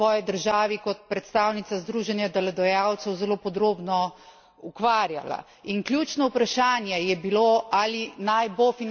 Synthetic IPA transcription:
ɔːjɛd̪əɾʒaːʋikɔt̪̚pɾɛt̪st̪aːwnit̪sazd̪ɾuːʒɛnjad̪ɛlad̪ɔjawt̪sɛwzɛloːpɔd̪ɾoːbnɔ | ukʋaːɾja̰la̰ | inkljuːt͡ʃnɔwpɾaʃaːnjɛjɛbiloalinajbofin

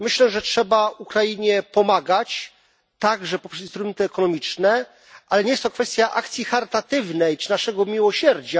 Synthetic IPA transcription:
mɘɕlɛʐɛtʂɛbaukɾajiɲɛpɔmaɡat͡ɕ | t̪aɡʐɛpɔpʂɛsint̪ɾumɛnt̪ɘɛkɔnɔmʲit͡ʂnɛ | ʔalɛɲejɛst̪ːɔkfɛst̪ʲjaʔa̰kt̪sʲjixaɾɘt̪at̪ɘvnɛjnaʂɛɡɔmʲiwɔɕɛɾd͡ʑa

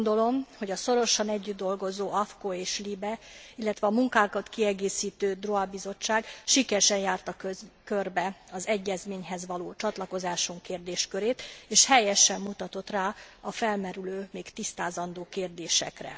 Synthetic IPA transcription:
nd̪o̞lo̞mho̞ɟɒso̞ɾo̞ʃɒnɛɟːyd̪̚d̪o̞lɡo̞zoːɒfkoeːʃlibɛilːɛt̪ʋɛɒmuŋkaːkɒt̪kiɛɡeːsiːt̪øːd̪roɒbizo̞t͡ʃːaːɡʃikɛɾʃɛnjaːrt̪ɒkørbɛɒzɛɟːɛzmeːɲɦɛzʋɒloːt͡ʃɒt̪lɒko̞zaːʃuŋkeːrd̪eːʃkøɾeːt̪eːʃhɛjɛʃɛmːut̪ɒt̪o̞t̪raːɒfɛlmɛɾyløːmeːkt̪ist̪aːzɒnd̪oːkeːrd̪eːʃɛ̰krɛ̰

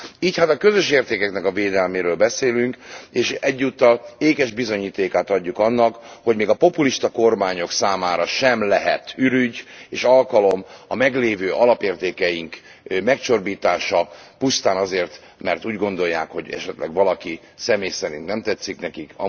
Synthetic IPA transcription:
iːchat̪ɒkø̞zø̞ʃeːrt̪eːkɛknɛkɒveːd̪ɛlmeːɾøːlbɛseːlyŋkeːʃɛɟːuːt̪ːɒleːkɛʒbizo̞ɲiːt̪eːkaːt̪ɒɟːukɒnːɒkho̞ɟmeːɡɒpo̞puliʃt̪ɒko̞rmaːɲo̞ksaːmaːɾɒʃɛmlɛɦɛt̪yɾyɟeːʃɒlkɒlo̞mɒmɛɡleːvøːʔɒlɒpeːrt̪eːkɛjiŋkmɛkt͡ʃo̞rbiːt̪aːʃɒpust̪aːnɒzeːrt̪ | mɛrt̪uːɟɡo̞nd̪o̞jːaːkho̞ɟɛ̰ʃɛt̪lɛ̰ɡʋɒlɒki | sɛmeːjsɛɾint̪nɛmt̪ɛt̪sːiknɛkikɒ̰

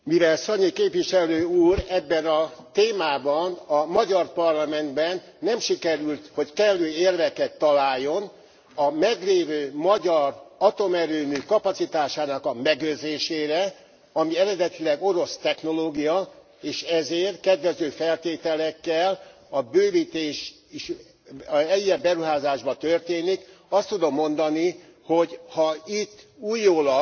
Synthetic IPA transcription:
mivɛlsɒɲikeːpvʋiʃɛløːuːɾɛbːɛnɒt̪eːmaːbɒnɒmɒɟɒrpɒrlɒmɛnd̪bɛnːɛmʃikɛɾylt̪hockɛlːøːeːrdɛkɛt̪ːɒlaːjːo̞n | ɒmɛɡleːvøːmɒɟɒrɒt̪o̞mɛɾøːmykɒpɒt̪sit̪aːʃaːnɒkɒmɛɡøzeːʃeːɾɛ | ɒmiɛɾɛd̪ɛt̪ilɛɡo̞ɾo̞st̪ɛxn̪o̞loːɡijɒ | eːʃɛzeːrt̪kɛd̪ʋɛzøːfɛlt̪eːt̪ɛlɛkːɛl | ɒbøːvit̪eːʃ | iʃ | ɛjɛbɛɾuɦaːzaːʒbɒt̪ørt̪eːnik | ɒst̪ud̪o̞mːo̞nd̪ɒni | ho̞ɟhɒit̪ːuːjːoːlɒ

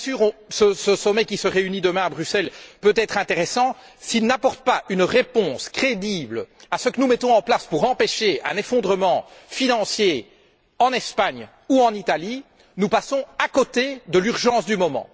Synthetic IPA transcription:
syːʁɔ̃səsəsɔmɛkʲisəʁeynid̪əmɛ̃abʁysɛlpøt̪ɛt̪χɛ̃t̪eʁɛsɑ̃ | silnapɔʁt̪̚paʔynʁepɔ̃skχed̪ibləasəkənumɛt̪ɔ̃ɑ̃plaspuʁɑ̃peʃeɛ̰̃nefɔ̃d̪ʁəmɑ̃finɑ̃sje | ɑ̃nɛspaɲ | uɑ̃nit̪ali | nupasɔ̃akot̪ed̪əlyʁʒɑ̃sd̪ymɔmɑ̰̃

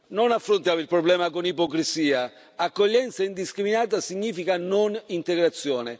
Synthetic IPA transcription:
nonafːɾont̪jaːmilpɾoblɛːmakonipɔkɾisiːa | akːoʎːɛnt̪saind̪iskɾiminaːt̪asiɲːiːfikanonint̪eɡɾat̪sːjɔːne

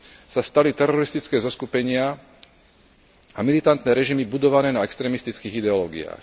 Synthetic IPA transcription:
sast̪alit̪ɛɾɔɾist̪it͡skɛːzɔskupɛɲɪa | amilit̪ant̪nɛːɾɛʒimibud̪ɔʋanɛːnaɛkst̪ɾɛːmist̪it͡skiːɣid̪ɛɔlɔːɡḭa̰ːx

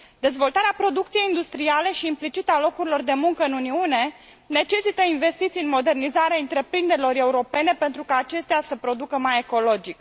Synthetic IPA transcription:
d̪e̞zvo̞lt̪aɾeapɾo̞d̪uk̚t̪sije̞jind̪ust̪ɾiale̞ʃiːmplit͡ʃit̪alo̞kuɾilo̞rd̪e̞muŋkəɨnuniune̞ | ne̞t͡ʃe̞sit̪əinve̞st̪it̪sijɨnmo̞d̪e̞rnizaɾeaɨnt̪ɾe̞pɾind̪e̞ɾilo̞ɾe̞uɾo̞pe̞ne̞pe̞nt̪ɾukaːt͡ʃe̞st̪easəpɾo̞d̪ukəmaje̞ko̞lo̞d͡ʒik

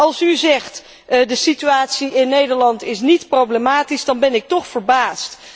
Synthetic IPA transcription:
ɑlˠsyzɛχt | dəsityaːtsiʔɪnːejdəɹlɑntɪsnitprowblemaːtizdɑnbɛnɪk̚tɔχfəɹbaːst

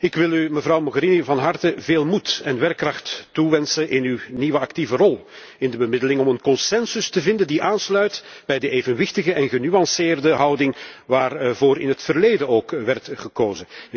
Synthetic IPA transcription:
ɪkʋɪlˠyməvrɑwmɔɣəɾinivɑnɦɑrtəveːlˠmutɛnʋɛrkːrɑxtːuʋɛnsənʔɪnywniʋəɑktivərɔlˠ | ɪndəbəmɪdəlɪŋɔmənkɔnsɛnsʏstəvɪndəndiʔaːnslœɥtb̥ɛjdəeːvənʋɪxtəɣəʔɛnɣənyɑnsɪːrdəɦɑwdɪŋʋaːrvoːɾɪnɦətfərleːdənoːkʋɛrtχəkoːzə

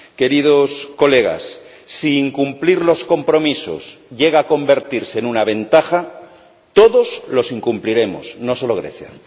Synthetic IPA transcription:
ke̞ɾið̞osko̞le̞ɣ̞a̰sː | iːŋkumpliɾlo̞sko̞mpɾo̞miso̰sʎe̞ɣaːko̞mbe̞ɾt̪iɾsenunaβ̞ẽ̞nt̪axa | t̪o̞ðo̞zlo̞siŋkumpliɾe̞mo̰sno̞so̞loɣ̞ɾe̞̰θja̰

